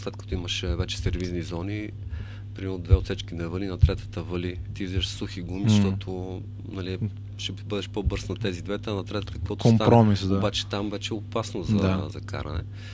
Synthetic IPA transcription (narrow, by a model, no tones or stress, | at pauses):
slɛt̪̚kɐt̪oiməʃɛvɛt͡ʃɛ̥sɛɾviznizɔni | pɾimɛɾnʊd̪vɛot̪sɛt͡ʃkinɛvəlinɐt̪ɾɛt̪ə̥t̪əvɤlit̪izɛʃsuxiɡumizɐʃt̪ɔt̪ʰo | nɐli | ʃɛbɤd̪ɛʃpɔbɤɾsnɐt̪ɛzid̪vɛt̪ənɐt̪ɾɛt̪ət̪ə̥kvɔt̪ʊsmaɾɔmisd̪oabat͡ʃɛ̥t̪amvɛt͡ʃɛopasnozɐzɐka̰ɾɐ̰nɛ̰